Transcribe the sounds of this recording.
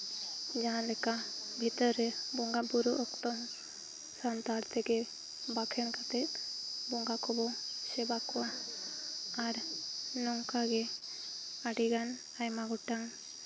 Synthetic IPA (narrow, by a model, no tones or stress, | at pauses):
d͡ʒaɦãlɛkabʱit̪ɔɾɛbɔŋɡabuɾuʔɔkt̪ɔm | sant̪aɾt̪ʰɛɡe | bakʰɛnkat̪ɛbɔŋɡakʰɔbɔsɛbaka | aɾnɔŋkaɡe | aɖiɡan | ajmaɡɔʈaŋ